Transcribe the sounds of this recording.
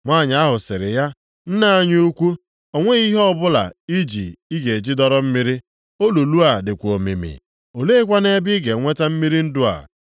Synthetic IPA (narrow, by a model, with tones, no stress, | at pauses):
ŋʷa˦˨ɲ˨a˦ɦʊ˨sɪ˨ɾɪ˨ja˦ | n̩˦na˨a˦ɲ˦u˦kʷu˦ | o˨ŋʷe˦i˦ɦɔ˦bʊ˦la̰˨i˦d͡ʒḭ˨i˦ɡe˨d͡ʒi˦dɔ˦ɾɔ˦m̩˦mi˦ɾi˦ | o˦lu˨lu˦a˨dɪ˨kʷo˨mḛ˨mḭ˨ | o˨le˦kʷa˦ne˦bɪ˦ɡe˨ŋʷe˦ta˦m̩˦mi˦ɾi˦n̩˦dʊ˦a̰˨